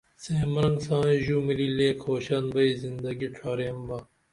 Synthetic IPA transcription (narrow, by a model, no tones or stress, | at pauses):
seːmɐɾɐŋɡsãːʑumilileːkʰoːɕɐnbɐizind̪ɐɡiʈ͡ʂʰaːɾeɐmbɐ